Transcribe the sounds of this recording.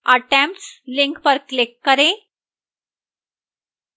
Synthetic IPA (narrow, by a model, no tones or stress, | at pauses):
əʈɛ̃mʈslɪ̃ŋkpəɾklɪkːəɾẽ